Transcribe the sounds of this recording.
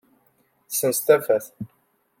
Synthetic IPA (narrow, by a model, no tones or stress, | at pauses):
θsənst̪æfæθ